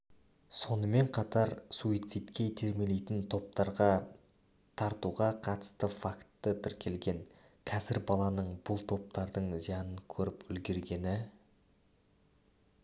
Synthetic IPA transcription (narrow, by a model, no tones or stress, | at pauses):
so̞nəme̞ɴqʰɑt̪ɑɾsuijt̪sit̪kʲe̞jt̪ʰe̞ɾme̞lejt̪ɪnt̪ʰo̞p̚t̪ɑɾʁɑ | t̪ʰɑɾt̪uʁɑqʰɑt̪ə̥st̪əfakt̪ːət̪ʰɪɾkʲʰe̞lɡʲe̞ŋ | kʲʰæzɪɾbɑlˠɑnəɴbʊlˠt̪ʰo̞p̚t̪ɑɾd̪əɴzijɑnəŋkʲʰɵɾɪpʏlɡʲe̞ɾɡʲe̞nɪ